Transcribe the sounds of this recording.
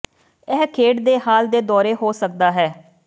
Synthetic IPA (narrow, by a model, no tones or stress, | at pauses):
ɛːkʰeːʈd̪eːhaːld̪eːd̪ɔːɾeːɦoːsək̚d̪aːɦɛː